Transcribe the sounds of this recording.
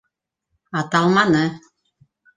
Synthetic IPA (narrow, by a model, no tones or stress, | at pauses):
ɑt̪ɑlˠmɑnɤ